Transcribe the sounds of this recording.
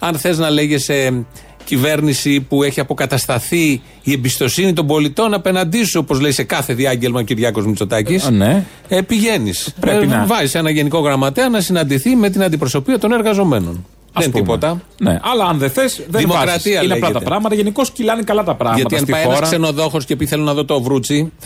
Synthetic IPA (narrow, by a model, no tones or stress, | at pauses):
ɐnθe̞znɐle̞ʝe̞se | cive̞ɾnisipue̞çiɐpo̞kɐt̪ɐst̪ɐθiː | e̞bist̪o̞sinit̪o̞mbo̞lit̪o̞nɐpe̞nɐnd̪isuo̞po̞zle̞ise̞kɐθe̞ðiɐɲɟe̞lmɐociɾʝɐko̞zmit͡so̞t̪ɐcisne | epiʝe̞nḭspɾevɐzisenɐʝe̞niko̞ɣɾɐmɐt̪eɐnɐsinɐnd̪iθime̞t̪̬inɐnd̪ipɾo̞so̞piɐt̪o̞ne̞ɾɣɐzo̞me̞no̞̰n | ðɐent̪ipo̞t̪ɐnḛɐlɐɐnðeθesðeðiimokɾɐt̪iɐileɐeʝlɐt̪ɐpɾɐɣmɐt̪ɐʝeniko̞scilɐnikɐlɐt̪ɐpɾɐɣʝɐmɐt̪iɐsnt̪iɐjenɐsɾkse̞no̞ðo̞xo̞scepiθe̞lo̞nɐðo̞t̪o̞ːvɾut͡si